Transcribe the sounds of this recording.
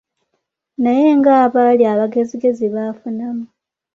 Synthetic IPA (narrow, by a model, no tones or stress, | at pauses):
naje̞ŋɡaːβaliaβaɡe̞ziɡe̞ziβafunamu